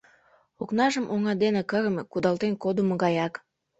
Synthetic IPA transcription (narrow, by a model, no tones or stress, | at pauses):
oknɑʒəmʔoŋɑd̪enĕkəɾəmekud̪ɑlt̪enkod̪uməɣɑjɑk